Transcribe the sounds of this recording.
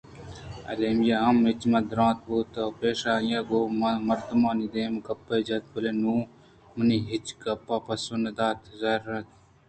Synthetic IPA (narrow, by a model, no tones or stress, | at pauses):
ɐ̰leːmjaɦɐmet͡ɕmɐd̪ɾɑ̃ːt̪̚buːt̪ɐpeːʂaːjaɡoːmmɐɾt̪əmɑːnid̪eːmɡɐpːɐd͡ʒɐt̪̚bɐlenuː | mɐniɦit͡ʃɡɐpːapɐsonɐd̪aːt̪zaːɾɐt̪